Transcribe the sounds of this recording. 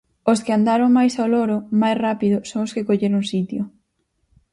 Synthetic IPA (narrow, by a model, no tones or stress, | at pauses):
oskɪand̪aɾoŋmajsaolɔɾʊmajsrapiðʊsoŋoskekoʎeɾuŋsit̪jʊ